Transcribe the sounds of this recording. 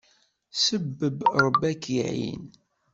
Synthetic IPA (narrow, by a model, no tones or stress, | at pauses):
səbːəbɾˤəbækiʕḭn